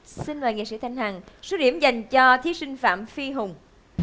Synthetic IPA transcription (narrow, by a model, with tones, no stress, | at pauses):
si˧nməː˨˩ŋḛ˧˨sḭ˧˥t̪ʰa˧˩jŋ̟ɦaː˨˩ŋso˦˥ɗḭ˧˩əmza˨˩jŋ̟t͡ɕɔ˧t̪ʰi˨˦sï˧ŋ̟fa̰ː˧˨mfi˧ɦʊ˨˩ŋ͡m